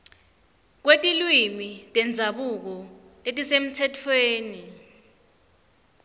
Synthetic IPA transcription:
k̬wetʼilwimitʼɛnd͡zʱaɓuk̬ɔ | k̬ʼetʼisem̩tʰɛtʰweːni

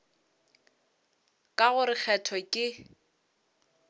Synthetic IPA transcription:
kʼaɣʊɾɪk͡xʰɛtʰɔkʼɪ

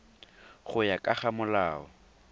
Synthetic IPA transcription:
χʊjakʼaχamʊlaːɔ

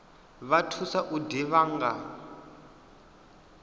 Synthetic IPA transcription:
βatʰusaʔudiβaːŋɡa

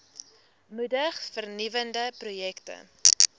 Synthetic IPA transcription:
mudəχfərnivəndəprujɛktə̰

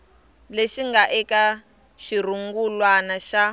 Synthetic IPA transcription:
leʃiŋɡaʔɛka | ʃiɾuŋɡulwanaʃa

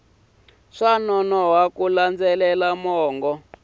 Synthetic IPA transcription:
ʂanɔnɔwakuland͡zɛlɛlamɔːŋɡɔ

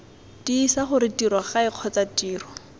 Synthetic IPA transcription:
d̥iːsaχʊɾɪtirwaχaɪq͡χʰɔt͡satiːrɔ

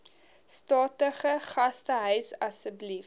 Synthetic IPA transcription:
stɑːtəχəχɐstəɦœɥsɐsəblif

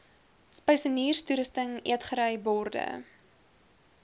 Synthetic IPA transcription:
spəjsəniːrstuɾəstəŋiətχəɾəjbɔrdə̰

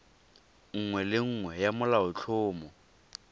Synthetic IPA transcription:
ŋ̩ŋwɛlɪŋ̩ːŋwɛjamʊlaʊt͡ɬʰʊːmɔ

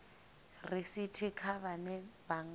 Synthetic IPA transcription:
risitʰikʰaβanɛbaŋ

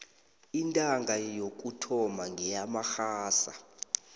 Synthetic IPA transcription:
intʼaŋɡʱajok̬ʼutʰɔmaŋɡʱɛjamaxaːsa̰

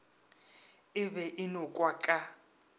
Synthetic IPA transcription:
ɪβɛʔɪnɔkʼwakʼa

